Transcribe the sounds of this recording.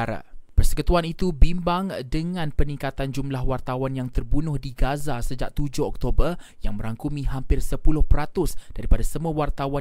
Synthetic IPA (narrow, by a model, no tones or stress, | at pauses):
ɾa̰pərsə̥kət̪uanit̪ubimbaŋdəŋãnpənĩŋkat̪and͡ʒumlahwart̪awanjaŋt̪ərbunʊhdiɡazasəd͡ʒaʔ̚t̪ud͡ʒʊhɔk̚t̪obərjaŋmə̃ɾaŋkumĩɦampɪrsəpulʊhpəɾat̪ʊsd̥aɾipadasəmũawart̪awa